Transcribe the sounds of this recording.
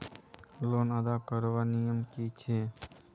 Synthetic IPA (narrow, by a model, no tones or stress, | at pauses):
loːnəd̪aːkəɾʋaːnijəmkiːt͡ʃʰeː